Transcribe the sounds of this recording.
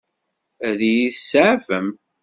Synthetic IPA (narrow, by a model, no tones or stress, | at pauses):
æðjiθsʕvəm